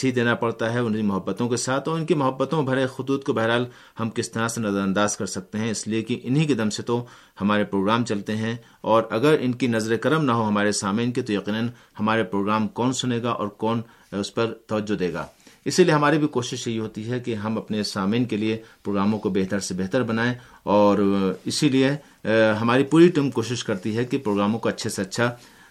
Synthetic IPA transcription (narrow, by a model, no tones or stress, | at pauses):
id̪eːnapɐɽt̪aɦɛʊnimʊɦɐbːət̪õkesaːt̪ʰɔːɾɪnkimʊɦɐbːət̪õbʱɐɾexʊt̪uːt̪kobɐɦɛɾɦaːl | hɐmkɪst̪ɐɾasenɐzəɾə̃nd̪aːzkɐɾsɐk̚t̪eɦɛ̃ɪsliekiʔɪnɦikɪd̪ɐmset̪o | hɐmaːɾepɾoːɡɾaːmt͡ʃɐlt̪eɦɛ̃ | ɔːɾɐɡəɾɪnkinɐzɾekɐɾəmnɐɦoɦɐmaːɾesaːmiːnket̪ojɐqiːnən | hɐmaːɾepɾoːɡɾaːmkɔːnsʊneːɡaʔɔ̰ːɾkɔːn | ʊspɐɾt̪ɐʋəd͡ʒːod̪eːɡa̰ːɪsilieɦɐmaːɾibʱikoːʃɪʃjɐɦiɦoːt̪iɦɛkeɦɐmɐpnesaːmiːnkeliepɾoːɡɾaːmõkobeɦt̪əɾsebɛɦt̪əɾbɐnaːe | ɔːɾɪsilie | ɦɐmaːɾipuːɾiʈiːmkoːʃɪʃkɐɾt̪iɦɛkipɾoːɡɾaːmõkoɐtːʃʰeseɐtːʃʰa